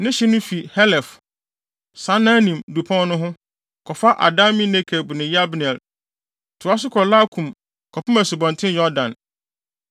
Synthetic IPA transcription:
nɪ̃˦ɕɛ˦nʊ̃˦fi˨hɛ˦lɛ˨f | sã˨˦nã˦nĩ˨mdu˨pʰã˦nʊ̃˦ɦʊ̃˦ | kʰɔ˨fa˦ʔa̰˨da˦mĩ˦nɛ̃˦kʰɛ˨bu˨nɪ̃˨ja˦bnɛ˨l | tʰʊ˨a˦s̬ʊ˦kʰɔ˨la˦kʰũ˨m | kʰɔ˨pʊ˦mɛ̃˨sʊ˨bɔ̃˨n˨tʰɪ̃˦njɔ˦dã˨n

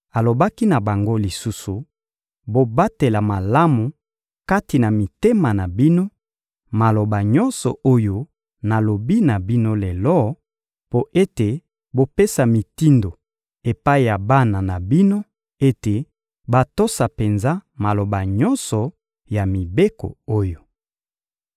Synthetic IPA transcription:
a˨lo˨ba˦ki˦na˨ba˨ŋɡo˦li˨su˦su˨ | bo˨ba˦te˨la˨ma˨la˦mu˨ | ka˦ti˨na˨mi˨te˦ma˨na˨bi˦no˦ | ma˨lo˨ba˨ɲɔ˦nsɔ̰˨ʔo˦jo˦ | na˨lo˨bi˦na˨bi˦no˦le˨lɔ˦ | po˦ʔe˦te˨ | bo˨pe˦sa˨mi˨ti˦ndo˨ | e˨pa˦i˨ja˨ba˦na˨na˨bi˦no˦ | e˦te˨ | ba˦to˦sa˨pe˨nza˦ma˨lo˨ba˨ɲɔ˦nsɔ˨ | ja˨mi˨be˦ko̰˨o˦jo˨

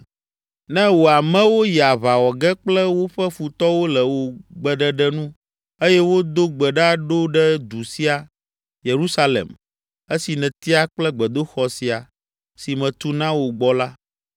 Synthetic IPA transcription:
nɛ̃˦wo˨a˨mɛ̃˦wo˦ja˨βa˨wɔ˨ɡɛ˦k͡plɛ˦wo˦ɸɛ˦fu˨t̪ɔ˦wo˦lɛ˨wo˨ɡ͡bɛ˨ɖɛ˦ɖɛ˦nũ˦ | e˦jɛ˦wo˦d̪o˦ɡ͡bɛ˨ɖa˦ɖo˦ɖɛ˦d̪u˨si˦a˨ | je˨ɾu˦sa˦lḛ˨m | e˦si˨nɛ̃˨t̪i˦a˨k͡plɛ˦ɡ͡bɛ˨d̪o˦xɔ˨si˨a˨ | si˨mɛ̃˨t̪u˦nã˦wo˨ɡ͡bɔ˦la˦

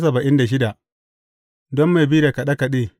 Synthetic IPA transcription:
sɐ˨bɐ˨ʔɪ˦nda˨ʃ̬ɪ˦da˨ | dɔ˦mːa˨bi˦da˨ka˨ɗa˦ka˨ɗeː˦˨

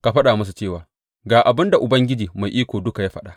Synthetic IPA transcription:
ka˨ɸɐ˦ɗaː˨mʊ˦s̬u˨t͡ʃeː˦˨waː˨ | ɡaː˨ʔa˨bɪ˦nda˨ʔʊ˨bɐ˦ŋɡʲɪ˦d͡ʒiː˨ma˨jʔiː˦kʷoː˨dʊ˦ka˨jaː˦ɸɐ˦ɗaː˨

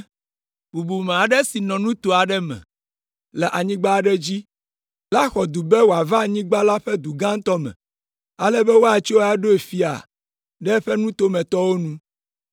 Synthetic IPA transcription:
bu˨bu˨mẽ˨a˨ɖɛ˦si˨nɔ̃˨nũ˦t̪o˨a˨ɖɛ˦mɛ̰̃˨ | lɛ˨ʔa˨ɲĩ˦ɡ͡ba˦˨ɖɛ˦d͡ʑi˦ | la˦xɔ˨d̪u˨bɛ˦wo˨a˨va˦˨ɲĩ˦ɡ͡ba˦la˦ɸɛ˦d̪u˨ɡã˦ŋ˦t̪ɔ˦mɛ̰̃˨ | a˦lɛ˦bɛ˦wo˦a˨˦t͡ʃo˦a˦ɖo˦e˨fi˦a̰˨ | ɖɛ˦ɸɛ˦nũ˦t̪o˦mɛ̃˨t̪ɔ˦wo˦nũ˦

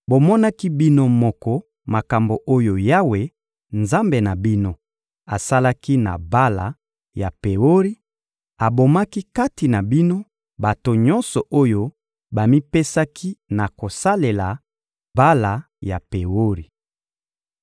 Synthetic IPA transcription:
bo˨mɔ˦na˦ki˦bi˦no˦mɔ˨kɔ˦ | ma˨ka˨mbo˨ʔo˦jo˨ja˦we˨ | nza˦mbe˨na˨bi˦no˦ | a˨sa˦la˦ki˦na̰˨ba˦la̰˨ | ja˨pe˨o˦ʁi˦ | a˨bo˨ma˦ki˦ka˦ti˨na˨bi˦no˦ | ba˨to˨ɲɔ˦nsɔ˨ʔo˦jo˦ | ba˨mi˦pe˦sa˦kʰi˦na˨ko˨sa˦le˨la˨ | ba˦la˨ | ja˨pe˨wo˦ʁi˨

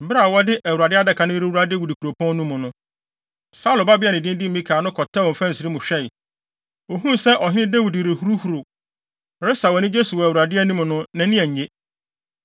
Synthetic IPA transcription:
m̩˨bɪ˦ɾa˨wɔ˦dɪ˦ʔæ˨wu˨ɾa˨dɪ˦a˦dɛ˨kʰa˨nʊ̃˦ɾe˦u˦a˦de˦wi˨di˨kʰu˨ɾo˨pʰɔ̃˦n˦nːũ˦mʊ̃˨nʊ̃˦ | sa˦lʊ˨ba˦bɪ˦a˦˨nɪ̃˨dɪ̃˦n˦dɪ̃˦m̩ː˨mĩ˦kʰaː˨nʊ̃˦kʰɔ˨tʰa˦wɔ̃˨fã˦n̩˨si˨ɾi˦mʊ̃˨ɕᶣɛ˦ɪ˨ | o˨ɦũ˦n˨sɛ˦ʔɔ˨ɦɪ˦nɪ̃˦de˦wi˨dɾe˨hu˦ɾu˦hu˨ɾo˨ | ɾɪ˦sa˨wɔ˨nɪ̃˦d͡ʑe˦su˨wɔ˨æ˨wu˨ɾa˨dɪ˦ɛ˦nũ˦mʊ̃˨nʊ̃˦nã˨nĩ˦ɛ˨ɲ˨je˦

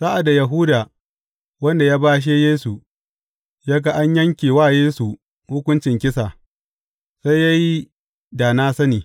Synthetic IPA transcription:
saː˦ʔa˨da˨ja˨ɦʊː˦da˨ | wɐ˦nda˨jaː˦baː˦ʃ̬eː˦jeː˦su˨ | jaː˦ɡa˨ʔa˦ɲjɐ˦ŋkʲeː˨waː˦˨jeː˦su˨ | hʊ˦kʷʊ˦nt͡ʃɪ˨ŋkʲɪ˦sa˨ | sa˦jja˦ji˦ | daː˨naː˦sɐ˦niː˨

